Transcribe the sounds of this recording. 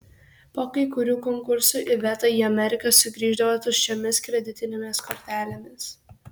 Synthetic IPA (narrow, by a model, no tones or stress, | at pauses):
poːkɐɪkʊɾʲuːkɔŋkʊɾsuːʔɪʋʲɛt̪ɐiːɐmʲɛɾʲɪkɐsʊɡɾʲiːʒd̪ɐʋɐsʊʃʲomʲɪskɾʲɛd̪ʲɪt̪ʲɪnʲemʲɪskɔɾʲt̪ʲæːlʲemʲɪs